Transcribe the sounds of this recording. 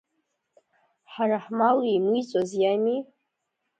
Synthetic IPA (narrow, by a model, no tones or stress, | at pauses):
ħaraħmawimit͡sʷʼozjami